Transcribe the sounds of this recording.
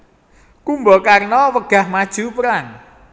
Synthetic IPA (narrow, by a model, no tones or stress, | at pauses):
kumbəkarənɔːwəɡ̥ahmat͡ɕuːpraŋ